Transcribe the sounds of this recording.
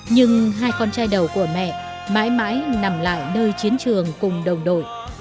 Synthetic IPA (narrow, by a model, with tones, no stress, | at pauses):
ɲɨ˧ŋɦaː˧jkɔ˧nt͡ɕaː˧jɗə˨˩wku˧˩əmɛ̰˧˨ | ma̰ː˧˥jma̰ː˧˥jna˨˩mla̰ː˧˨jnəː˧jt͡ɕi˨˦ənt͡ɕɨ˨˩əŋkʊ˨˩ŋ͡mɗə˨˩wŋ͡mɗo̰˧˨j